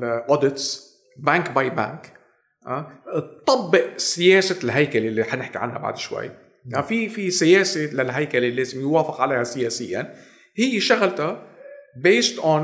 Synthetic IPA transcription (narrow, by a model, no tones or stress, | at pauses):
ʔoːd̪ɪt̪s | baŋkbajbã̰ŋk | ʔat̪ˤːɑbːɪʔsɪjeːsalɦajkalelːiħanɪħkiʕa̰nːa̰ba̰ʕd̪ʃwa̰jː | afifisɪjeːselalɦajkaleleːzɪmjwaːfɪqʕalejhasɪjeːsɪjːa̰n | hɪjːeʃaɣlt̪abeːst̪ʔon